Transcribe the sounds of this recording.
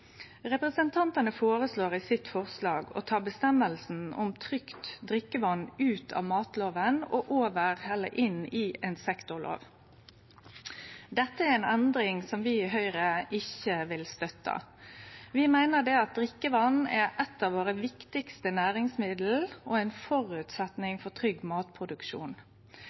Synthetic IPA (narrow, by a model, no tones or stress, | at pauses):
ʁɛpɾɛsənt̪ʰɑnt̪ɑnəfoːɾəsloːʁɪsɪt̪fɔʁslɑːɡɔ̰t̪ʰɑːbəst̪ɛmːəlsn̩ɔʊ̰mt̪ʰʁʏkt̪d̪ʁɪkːəʋɑnʉːt̪ʰɑ̰ːʋmɑːt̪loːʋənɔ̰ʔoːʋəʁhɛlːə̰ɾʔɪniːɛːnsɛkt̪ʊʁlʔo̰ːʋ | d̪ɛt̪ːəæɾɛːnɛnd̪ɾɪŋsɔmʋɪɪɦœʏʁəɪçəʋɪlst̪œt̪ːɑ̰ | ʋɪmæɪnəd̪ɛɑt̪̚d̪ʁɪkːəʋɑnæʔɛt̪ːɑːʋoːʁəʋɪkt̪ɪkst̪ənæːɾɪŋsmɪd̪l̩ʔɔɛɪnfɔʁʉːt̪sɛt̪nɪŋfɔt̪ʰʁʏɡːmɑːt̪pʰʁʊd̪ʉkʃṵːn